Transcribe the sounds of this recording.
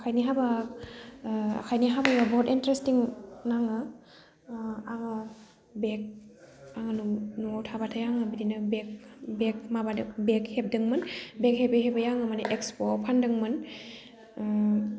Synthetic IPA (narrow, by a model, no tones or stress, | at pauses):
akʰajniɦaba | a̰kʰajniɦabajabɔtintɾestiŋnaŋɯ | aŋɯ | bek̚ | aŋɯnunotʰabatʰajaŋɯbidinɯbek̚bek̚mabadɯbek̚hep̚dɯŋmɯnbek̚hebeɦebajaŋɯmaneʔekspopʰandɯŋmɯn